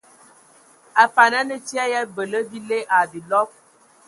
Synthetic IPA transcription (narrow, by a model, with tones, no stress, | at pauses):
a˨fa˨na˦nə˦t͡ʃi˦a˦ja˦bə˨lə˦bi˦le˦ʔa˨bi˨lɔ˦p̚